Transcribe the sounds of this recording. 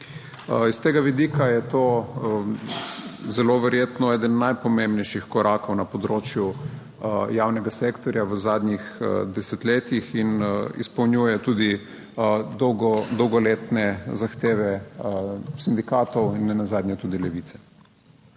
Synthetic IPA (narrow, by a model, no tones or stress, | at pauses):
ist̪eːɡaʋid̪ikajɛt̪oː | zɛloʋɛɾjeːt̪nɔɛːd̪ənːajpɔmẽmbnɛjʃixkɔɾʔakownapɔd̪ɾoːt͡ʃju | jaːwnɛɡaseːkt̪ɔɾjaʋəzaːd̪nɲixd̪ɛsɛt̪leːt̪ixinḭspɐwnjuːjɛt̪uːd̪i | d̪ɔwɡɔd̪ɔwɡɔleːt̪nɛzaxt̪eːʋɛ | sind̪ikaːt̪ɔwinːɛnazaːd̪ɲʲɛt̪uːd̪ilɛʋiːt̪sɛ̥